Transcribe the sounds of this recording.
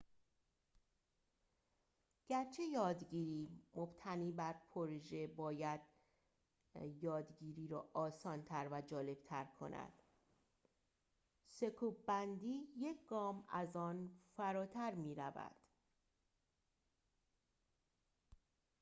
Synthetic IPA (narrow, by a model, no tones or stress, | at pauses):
ɟ̥æɾt͡ʃʰe̞jɒːd̪ɟiːɾiːmob̥t̪ʰæniːbæɾpʰoɾʒe̞bɒːjæd̪̥ | jɒːd̪ɡiːɾiːɾɒ̰ːɒːsɒːnt̪ʰæɾvæd͡ʒɒːle̞b̥̚t̪ʰæɾkʰo̞̰nʔæ̰d̪̥ | se̞kʰuːbbænd̪iːje̞cʰɡɒːmæzɒːnfæɾɒːt̪ʰæɾmiːɾævæ̰d̪̥